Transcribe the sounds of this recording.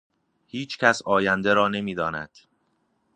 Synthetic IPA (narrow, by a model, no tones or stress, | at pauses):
hiːt͡ʃʰcʰæsɒːjænd̪eɾɒːne̞miːd̪ɒːnæ̰d̪̥